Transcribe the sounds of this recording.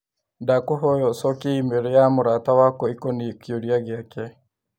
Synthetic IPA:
ndakuɦɔjɔsɔkiimeɾejamuɾatawakɔikɔnikjoɾjaɡjakɛ

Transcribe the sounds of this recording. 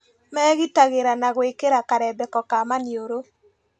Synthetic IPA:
mɛɣitaɣeɾanaɣwekeɾakaɾɛbɛkɔkamanioɾo

